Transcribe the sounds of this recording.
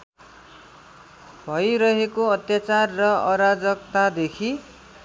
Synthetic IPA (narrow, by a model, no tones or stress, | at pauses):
bʱʌjɾʌɦekoʌt̪jat͡sarːʌʌɾad͡zʌk̚t̪ad̪ekʰi